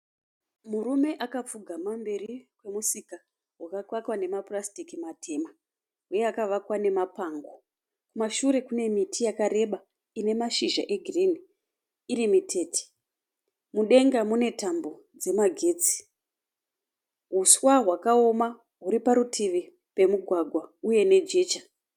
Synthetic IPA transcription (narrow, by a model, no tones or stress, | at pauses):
murume̞ʔakap͡fuɡʱamambe̞rikwe̞musika | ɦwakakwakwane̞maprastikimatʰe̞ma | ɦujeakaʋakwane̞mapaŋɡo | kumaʃuɾe̞kune̞mitʰijakaɾe̞ɓa | ine̞maʃiʒa̰ʔe̞ɡʱiriniː | ɾimitʰe̞ːti̥ | muɗe̞ŋɡamune̞tambo̞ | d͡ze̞maɡʱe̞ːt͡si̥ | ɦuswaɦwakao̞ma | ɦuɾipaɾutʰiʋi | pe̞muɡʱwaɡʱwauje̞ne̞d͡ʒe̞ːt͡ʃa